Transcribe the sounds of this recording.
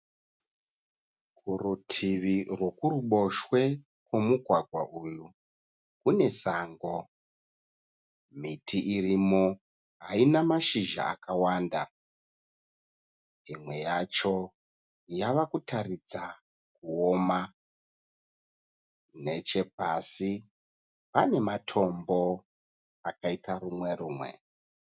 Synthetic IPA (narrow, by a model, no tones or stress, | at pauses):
kurutʰiʋirwo̞kuruɓo̞ʃwe̞ | kwomuɡʱwaɡʱwaʔuːju | kune̞saŋɡo̞ | mitʰiʔirimo̞ | ɦainamaʃiʒa̰ːkawaːnda | imwe̞jat͡ʃo̞ | jaʋakutʰarid͡za | kuoma | ne̞t͡ʃe̞pasi | pane̞matʰo̞mbo̞ | akaitarumwe̞ruːmwe̞̰